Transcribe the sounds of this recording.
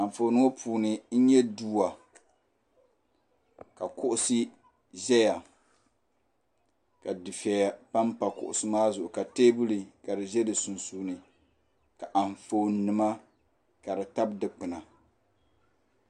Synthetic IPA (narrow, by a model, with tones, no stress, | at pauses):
a˨ɱ˨fo˨nɨ˦ŋo˦pʰuː˨nɨ˨n̩˦ɲɛ˦duː˦wa˨ | ka˨kʊ˦ʔʊ˦sɨ˦ | ʒɛ˦ja˨ | ka˨dɨ˨fɛ˨ja˨pa˦mpa˨kʊ̰˨ʔʊ̰˨sɨ˦maː˦zʊ˨ʔʊ˨ka˨teː˦bu˦li˨ka˨dɨ˨ʒɛ˦dɨ˨su˨nsu˨nɨ˨ | ka˨ʔa˨ɱ˨fo˨nːɨ˨ma˦ | ka˨dɨ˨ta˦bdɨ˨k͡pɨ˨na˨